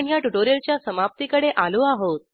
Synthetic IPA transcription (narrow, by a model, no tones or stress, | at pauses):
ɳjaʈuʈoɾiəlt͡ɕjasəmap̚t̪ikəɽeʔaluaɦot̪̚